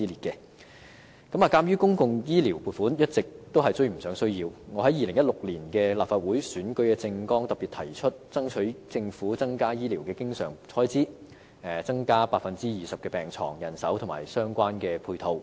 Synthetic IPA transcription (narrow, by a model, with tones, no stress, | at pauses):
iː˥liː˨t̚kɛː˧ | kɐ˨˥maː˨kaː˥mjyː˥kʊ˥ŋkʊ˧ŋjiː˥liː˨˩wpuː˨t̚fuː˨˥njɐ˥t̚t͡sɪ˨k̚t̪o˥wɦɐ˨jt͡sɵ˥ɥm̩˨˩sœː˨˥ŋsɵ˥ɥjiː˧wŋɔ˨˧ɦɐ˨˥jiː˨lɪ˨˩ŋjɐ˥t̚lʊ˨k̚liː˨˩nkɛː˧laː˨pfaː˧t̚wuː˨˥jsyː˨˥nkɵ˧˥kɛː˧t͡sɪ˧ŋkɔː˥ŋt̪ɐ˨pːiː˨t̚t̪ʰɐ˨˩jt͡ʃʰɵ˥t̚t͡sɐ˥ŋt͡ʃʰɵ˨˥ɥt͡sɪ˧ŋfuː˨˥t͡sɐ˥ŋkaː˥jiː˥liː˨˩wkɛː˧kɪ˥ŋsœ̰ː˨˩ŋt͡sʰɔː˥jt͡siː˥ | ɛ˨˩t͡sɐ˥ŋkaː˥paː˧k̚fɐ˨nt͡siː˥jiː˨sɐ˨p̚kɛː˧pɛː˨˩ŋt͡sʰɔ̰ː˨˩ŋjɐ˨˩nsɐ̰˨˥wt̪ʰʊ˨˩ŋma̰ː˨˩jsœː˥ŋkʷwaː˥nkɛː˧pʰuː˧jt̪ʰo˧w